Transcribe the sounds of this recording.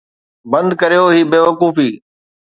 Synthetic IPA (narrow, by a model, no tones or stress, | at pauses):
bə̃nd̪̚kəɾijoːɦiːbeːʋəkuːfiː